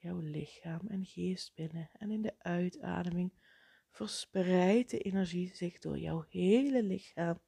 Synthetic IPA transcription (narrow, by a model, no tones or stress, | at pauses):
jɔwlɪxaːmɛnɣeːst̚b̥ɪnəɛnɪndəʔœɥtʰa̰ːdəmɪŋ | v̥əɹsprɛjt̚dəʔenɛɹʒizɪɣdʊ̰ːɹjɔ̰whejləlɪxaːm